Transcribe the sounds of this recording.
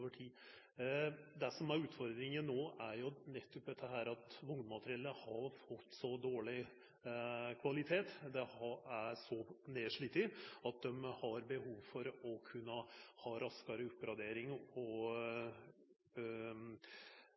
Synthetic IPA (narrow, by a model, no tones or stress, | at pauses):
ʋəʈʰiː | d̪ɛsɔmæɾʉːt̪fɔɾd̪ɾɪŋənnoːʔæɾjʊnɛt̪ʰːɔp̚d̪ɛt̪ːəɦæːɾɑt̪ʋʊŋd̪mɑt̪əɾɪɛlːəhɑɾfɔt̪ːsɔd̪oːɭɪ | kʰʋɑlɪt̪ʰeːt̪d̪ɛɑæɾsɔneːʂɭiːt̪ɪɑt̪̚d̪ɛmhɑɾbəhuːʋfɔɾɔkʰʉnːəhɑːɾɑskɑɾəʊpːɾɑd̪eːɾɪŋɔ